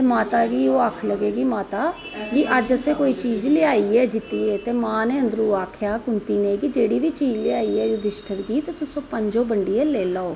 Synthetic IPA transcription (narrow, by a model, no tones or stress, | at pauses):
t̪emaːt̪aːɡiːoːakʰləɡeːɡiːmaːt̪aː | d͡ʒiʔəd͡ʒəseːkoːiːt͡ʃiːd͡ʒlɪaːiːɛːd͡ʒɪt̪iːɛːt̪eːmãːnẽːənd̪ɾuːaːkʰjaːkʊnt̪iːnẽːkid͡ʒeːɽiːʋiːt͡ʃiːd͡ʒlɪaːiːɛːd͡ʒoːd̪ɪʃʈʰəɾɡiːt̪eːt̪ʊsõːpəɲd͡ʒoːbəɳɖiːɛːleːlaːoː